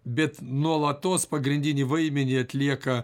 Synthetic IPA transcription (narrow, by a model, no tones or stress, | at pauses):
bʲɛt̪nuɔlˠɐt̪oːspɐɡɾʲɪnʲd̪ʲɪnʲiʋɐɪmʲɛnʲɪɐt̪ʲlʲiɛkɐ